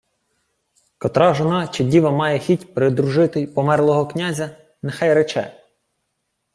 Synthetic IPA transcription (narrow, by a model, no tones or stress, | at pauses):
kɔt̪ɾɑʒɔnɑt͡ʃɪdʲiʋɐmɑjɛxʲitʲpɾɪd̪ɾʊʒɪt̪ɪjpɔmɛrlˠɔɦɔknʲazʲɐ | nexɑjɾet͡ʃɛ̰